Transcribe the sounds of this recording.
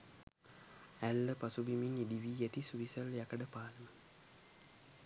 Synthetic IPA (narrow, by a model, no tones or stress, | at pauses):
ælːəpasubiminid̪iʋiet̪isuʋisəljakəɖəpaːlənə